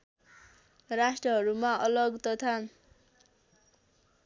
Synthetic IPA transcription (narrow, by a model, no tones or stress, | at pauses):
rasʈrʌɦʌɾumaʌlʌɡt̪ʌt̪ʰa